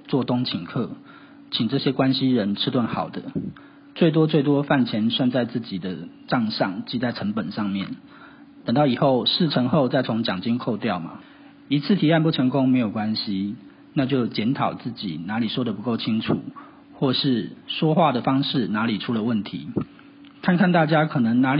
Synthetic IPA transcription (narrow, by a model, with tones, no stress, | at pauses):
t͡swɔ˥˨t̪ʊ˥ŋt͡ɕʰi˨˩ŋkʰɤ˥˩ | t͡ɕʰi˨˩ŋʈ͡ʂɤ˥˩ɕjɛ˦˥kwa˦nɕi˥˦ɻə˧˥nʈ͡ʂ̩ʰ˥t̪wa˥˩nxɑ˨˩ʊd̪ə˦ | t͡swe˥˩ɪt̪̬wɔ˥t͡swe˥˩ɪt̪̬wɔ˥fa˥˩nt͡ɕʰjɛ˧˥nswa˥˧nt͡sa˥˧ɪt͡sɹ̩˥˩t͡ɕi˨˩d̪ə˦ʈ͡ʂɑ˥˧ŋʂɑ˥˨ŋt͡ɕi˥˧t͡sa˥˩ɪʈ͡ʂʰə˧˥ŋpə˨˩nʂɑ˥˧ŋmjɛ˥˩n | t̪ə˨˩ŋt̪ɑ˥˩i˨˩xo˥˨ʊʂɻ̩˥˩ʈ͡ʂʰə˧˥ŋxo˥˧ʊt͡sa˥˩ɪt͡sʰo˧˥ŋt͡ɕjɑ˨˩ŋt͡ɕi˥nkʰo˥˧ʊt̪jɑ˥˩ʊma̰˩ | i˧˥t͡sʰɹ̩˥˩t̪ʰi˧˥a˥˧npu˥˩ʈ͡ʂʰə˧˥ŋkʊ˦˥ŋme˧˥ɪjo˨˩ʊkwa˦˥nɕi˦ | na˥˧t͡ɕjo˥˩ʊt͡ɕjɛ˧˥nt̪ʰɑ˨˩ʊt͡sɹ̩˥˩t͡ɕḭ˨˩na˧˥li˨˩ʂwɔ˥d̪ə˨pu˧˥ko˥˩ʊt͡ɕʰi˦˥ŋʈ͡ʂʰṵ˨˩˦ | xwɔ˥˧ʂɻ̩˥˩ʂwɔ˥xwa˥˩d̪ə˩fɑ˥ŋʂɻ̩˥˩na˧˥li˨˩ʈ͡ʂʰu˥lə˨wə˥˩nt̪ʰḭ˨˧˦ | kʰa˥˧nkʰa˥˧nt̪a˥˩t͡ɕja˥kʰɤ˨˩nə˧˦ŋna˧˥l